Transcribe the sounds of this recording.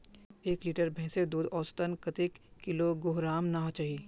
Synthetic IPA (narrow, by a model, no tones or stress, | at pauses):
eːkliːʈəɾbʱɛ̃ːsed̪uːd̪ɔːst̪ənkɐt̪ɪkːɪloɡoɦɾaːmnaɦot͡ʃaːɦi